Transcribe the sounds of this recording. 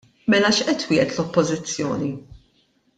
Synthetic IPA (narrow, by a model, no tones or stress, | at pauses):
mɛlɐʃʔɛt̪wɪːʔɛt̪lɔpːɔzɪt͡sːjɔ̰ːni